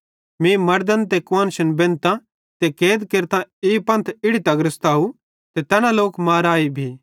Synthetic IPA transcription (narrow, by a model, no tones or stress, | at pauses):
mĩmɐɾd̪ənt̪ekʋaːnʃənbẽːnt̪ã | t̪ekeːd̪keɾt̪ãeːpɐ̃nt̪ʰɪɽit̪ɐɡɾɪst̪aːu | t̪et̪ɛːñãloːkmaːɾaːibʱiː